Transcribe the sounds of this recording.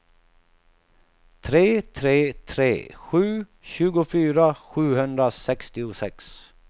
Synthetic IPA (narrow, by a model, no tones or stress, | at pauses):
t̪ʰɾeːt̪ʰɾeːt̪ʰɾḛːɧʉ̟ː | ɕʉːɡʊfyːɾaɧʉ̟ːhɵnd̪ɾasɛkst̪ɪʊsɛks